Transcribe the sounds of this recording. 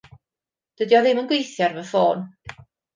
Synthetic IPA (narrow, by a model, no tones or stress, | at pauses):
d̥ədiɔðɪmənɡwejθjarvəfoːn